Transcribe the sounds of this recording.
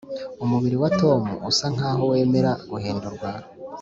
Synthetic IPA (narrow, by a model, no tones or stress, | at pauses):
umuβiɾiwato̞ːmṵʔusaŋ̥aːɦo̞we̞ːme̞ɾaɡuhe̞ːndoɾɡwaːho